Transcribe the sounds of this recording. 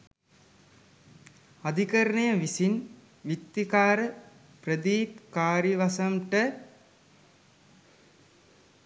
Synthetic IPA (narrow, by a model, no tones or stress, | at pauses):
ad̪ʱikəɾənəjəʋisin | ʋit̪ːikaːɾə | prəd̪iːpkaːɾiʋasɐmʈə